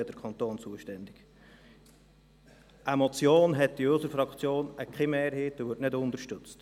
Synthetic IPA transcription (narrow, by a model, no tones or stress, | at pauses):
əd̥əɾkʰχɑnt̪oːnt͡suəʃtɛndɪɡ̥ | ʔəmɔt͡sjoːnɦɛtːdiøsəɾfɾɑkt͡sjoːnəkχɛmeːɾɦeːtːəʋʏːɾtnɪdʊnd̪əɾʃtɵt͡st